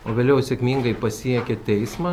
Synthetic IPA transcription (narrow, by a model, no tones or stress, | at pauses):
oːʋʲeːlʲɛʊsʲekmʲiːŋɡɐɪpɐsʲiɛkʲɛt̪ʲɛɪsmɐː